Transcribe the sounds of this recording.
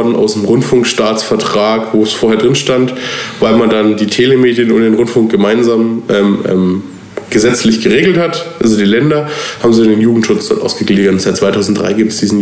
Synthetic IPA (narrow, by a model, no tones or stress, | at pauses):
dn̩a̰ʊsnəmʁʊntfʊŋkʃtaːt͡sfɛɐtʁ̥aːkvoːsfoːɐhɛːɐdʁɪnʃtantvaɪlmandandiːtʰeːləmeːdjənʊntd̥eːnʁʊntfʊŋk̚ɡ̥əmaɪnzaːmʔɛːmʔɛ̰ːm | ɡ̥əzɛt͡slɪçɡ̥əʁeːɡl̩thatʔazodiːlɛndɐhaːbm̩ziːdandeːnjuːɡŋ̩tʃʊt͡sd̥ɔ̰ɐtʔa̰ʊsɡ̥əɡliːɡnzaɪt̚t͡sːvaɪtʰaʊzn̩t̚d̥ʁa̰ɪɡiːp̚tə̥sd̥iːzn̩